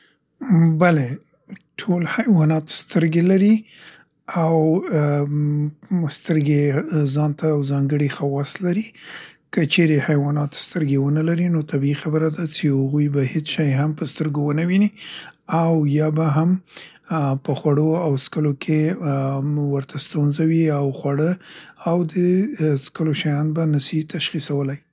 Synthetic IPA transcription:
bale | ʈʰolhajwɑnɑt̪st̪əɾɡelaɾi | aw | st̪əɾɡezɑnt̪ajawzɑŋɡəɽixawɑslaɾikət͡ʃeɾehajwɑnɑt̪st̪əɾɡewənəlaɾinot̪ʰabiixabəɾad̪at͡ʃehaɣujbahet͡sʃajɦampəst̪əɾɡowənəwiniawjɑbaɦam | pəxwaɽoawskəlokʰe | wəɾt̪ʰast̪unzawiawxwaɽəawd̪əskəloʃajɑnbanasit̪ʰaʃxisawəlaj

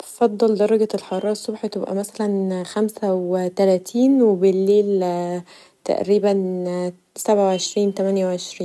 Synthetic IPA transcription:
b̪fɑd̪ˤːɑld̪ɑɾˤːɑɡæelħɑɾˤɑːɾˤɑsˤːobħt̪ebʔæ̰mæsælænxæmsæwt̪ælæːt̪ʰiːnwebelːeːl | t̪æ̰ʔɾiːbæn | sæbʕawʕeʃɾiːnt̪æmænjæwʕeʃɾiːnn

